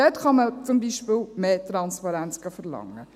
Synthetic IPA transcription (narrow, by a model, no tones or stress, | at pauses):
ɛt̪χɑmət͡sʊmbiʃpɪlmeːt̪ɾɑnspɑɾænt͡sɡ̥ɑfəɾlɑ̰ŋə